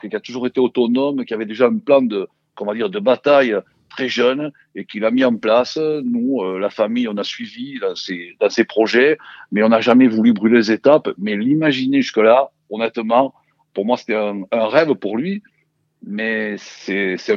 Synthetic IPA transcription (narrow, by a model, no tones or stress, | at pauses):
kkiat̪uʒuʁet̪eot̪ɔnɔmkʲiavɛd̪eʒaɛ̃plɑ̃d̪ə | kɔ̃vãd̪iʁd̪əbat̪aj | t̪χɛʒœn | ekilamiɑ̃plasnuølafamijɔ̃nasɥivid̪ɑ̃sed̪ɑ̃sepχɔʒɛmɛɔ̃naʒamɛvulybʁylezet̪apmɛlimaʒineʒyskəla | ɔnɛt̪əmɑ̃ | puʁmwase̥t̪ɛ̃ɛ̃ʁɛvəpuʁlɥi | mɛsɛsɛ̃